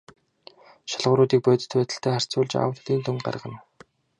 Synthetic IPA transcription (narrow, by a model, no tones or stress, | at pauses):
ʃaɮʁʊɾʊːt̪̬iːk̚pœːt̪ɘ̥̆t̪pæːt̪ə̆ɬt̪ʰæːχar̥t͡sʊːɮt͡ɕa̰w̆rt̪iːnt̪ʰɵŋɢa̰rʁə̆n